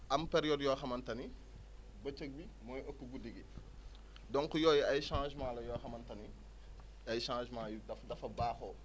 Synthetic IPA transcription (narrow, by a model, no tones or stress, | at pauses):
ʔɐmpɛɾjɔdjɔːxɐmɐntɐni | bɐt͡ʃːək̚bi | mɔːjʔɐkːuɡudiɡi | dɔŋkujɔːjɛɐjʃãːʒmãːlɐjɔːxɐmɐntɐni | ɐjʃãːʒmãːjudɐfdɐfɐbaːxɔ